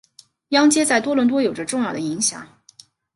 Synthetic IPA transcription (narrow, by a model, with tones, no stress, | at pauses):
jɑ˥ŋt͡ɕjɛ˥t͡sa˥˩ɪt̪wɔ˥lwə˧˥nt̪wɔ˥jo˨˩ʊʈ͡ʂə˦ʈ͡ʂʊ˥˧ŋjɑ˥˩ʊə˩i˧˥ŋɕjɑ̰˨˩˦ŋ